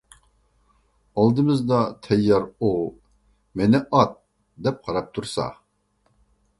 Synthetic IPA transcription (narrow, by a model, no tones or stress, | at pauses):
ɑlˠd̪ɨmɨzd̪ɑt̪ʰɛjːɑɾu | menɪʔɑt̪̚ | d̪ɛp̚qʰɑɾɑp̚t̪ʰuɾsɑ̰